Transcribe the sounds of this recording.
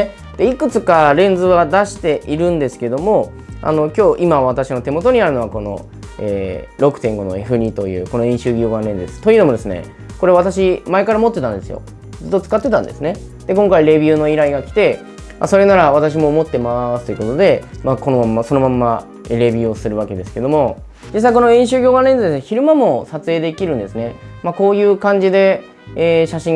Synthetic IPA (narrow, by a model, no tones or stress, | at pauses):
d̪̥e̞ikɯ̟t͡sɨkaɾẽ̞nd͡zɨβad̪aɕi̥t̪e̞ʔiɾɯ̟̃nd̪e̞sɨ̥ke̞d̪o̞mo̞ | a̰no̞kʲo̞ːʔimaβ̞at̪aɕino̞t̪e̞mo̞t̪o̞ɲ̟iaɾɯ̟no̞βako̞no̞̰ | eːɾo̞kɯ̟t̪ẽ̞ŋɡo̞no̞̰eɸɯ̟ɾʲit̪o̞jɯ̟ːko̞no̞ĩɕɨːɡʲoːɡaɾẽ̞nd̪esɨ̥t̪ːo̞jiɯ̟nood̪e̞sɨne̞̰ | ko̞ɾe̞βat̪aɕimae̞kaɾamo̞t̪ːet̪ãnd̪e̞sɨjo̞̰ | d͡zɨt̪ːot͡sɨ̥kat̪ːe̞t̪ãnd̪esɨne̞ | d̪̥e̞kõ̞ŋkaiɾe̞bʲiɯ̟ːno̞iɾaiɡakʲi̥t̪e̞ | mʔa̰so̞ɾe̞naɾaβat̪aɕ̬imo̞ːmo̞t̪ːe̞masɨ̥t̪o̞jɯ̟ko̞t̪o̞d̪e̞mako̞nomamːaso̞no̞mãmːa | eɾe̞bʲio̞sɨɾɯ̟βaked̪e̞sɨ̥ke̞d̪o̞mo̞ | d͡ʑis̬ːaiko̞no̞ĩɕɨːɡʲoːɡanẽ̞nzɨd̪esnçiɾɯ̟mamo̞sat͡sɨe̞ːd̪e̞kʲiɾɯ̟̃nd̪e̞sɨne̞mako̞ːjɯ̟ːkãɲ̟d͡ʑid̪e̞ː | ɕaɕĩŋ